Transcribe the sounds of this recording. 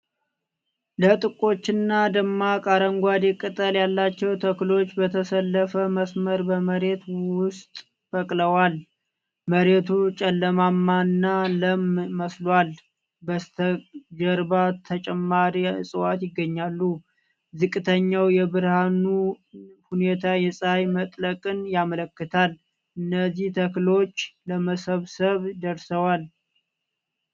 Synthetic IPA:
lət̪ʼɨkʼo̞t͡ʃːɪnːad̪əmːakʼaɾəŋɡʷad̪ekʼɨt̪ʼəljalːat͡ʃːɛwt̪ʰəklo̞t͡ʃːbət̪ʰəsəlːəfəməsməɾbəməɾe̞t̪wʊst̪ʼ | fəkʼləwal | məɾe̞t̪ʰut͡ʃʼɛlːəmamːanːaləmməslwal | bət̪ʰəd͡ʒəɾbat̪ʰət͡ʃʼɛmːaɾiɨsʼɨwat̪jɪɡːəɲːalːu | zɨkʼːɨt̪ʰəɲːawjɛbɨɾhanu | hune̞t̪ʰajɛsʼajmət̪ʼləkʼɨnjamələkːɨt̪ʰal | ʔɨnːəzːiht̪ʰəklo̞t͡ʃːləməsəβsəβd̪əɾsəwal

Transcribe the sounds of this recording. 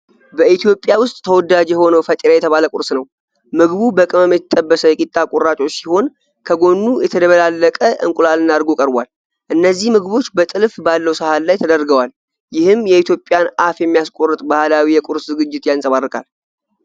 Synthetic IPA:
bəʔit̪ʰjo̞pʼjawʊst̪ʼt̪ʰːəwɔd̪ad͡ʒjɛho̞nəwfət̪ʼiɾajɛt̪ʰəβaləkʷʼʊɾsnəw | mɨɡbubəkʼɨməmjɛt̪t̪ʼːəbːəsəjɛkʼit̪ʼːakʼʊɾːat͡ʃʼo̞t͡ʃʼːsiho̞n | kʰəɡo̞nːujɛt̪ʰəd̪əβəlalːəkʼəʔɨŋkʼulalɨnaɾɡokʼəɾbʷa̰l | ʔɨnːəzːihmɨɡβo̞t͡ʃːbət̪ʼɨlfbalːəwsəhalːajt̪ʰəd̪əɾɡəwal | jɪhɨmjɛit̪ʰjo̞pʼːjanʔafjɛmːijaskʼo̞rːət̪ʼbahlawijɛkʼʊɾszɨɡɨd͡ʒːɪt̪jansʼəβarːɨkʼa̰l

